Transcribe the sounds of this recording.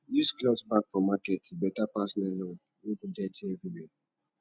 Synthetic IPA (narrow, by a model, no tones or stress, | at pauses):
jusklɔsbakfɔmakɛtubɛtapasɔnɛlɔ | wukudɛtʰiɛvɹiwɛ